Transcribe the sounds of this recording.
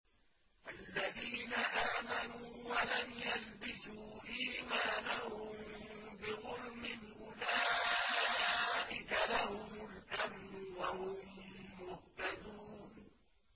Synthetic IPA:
ʔalːaðiːnaʔaːmanuːwalamjalbɪsuːʔiːmaːnahʊm | bɪɣʊlmɪnʔʊlaː | ʔɪkalahʊmʊlʔamnʊwahʊmːʊht̪ad̪uːn

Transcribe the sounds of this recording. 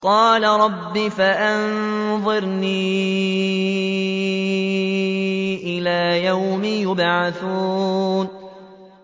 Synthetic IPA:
qɑːlaɾˤɑbːifaʔanðˤɨɾniː | ʔɪlaːjawmɪjʊbʕaθuːn

